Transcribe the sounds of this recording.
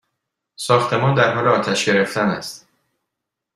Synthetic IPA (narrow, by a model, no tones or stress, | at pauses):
sɒːxt̪ʰe̞mɒːnd̪æɾɦɒːleɒːt̪ʰæʃɟe̞ɾe̞ft̪ænæ̰st̪